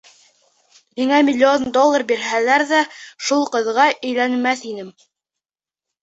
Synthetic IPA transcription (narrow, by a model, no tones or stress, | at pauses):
miŋæmʲɪlʲːond̪olˠːɑrbiɾɦælæɾðæʃulˠqɤ̆ðʁɑʔɵ̆jlænmæθinɘm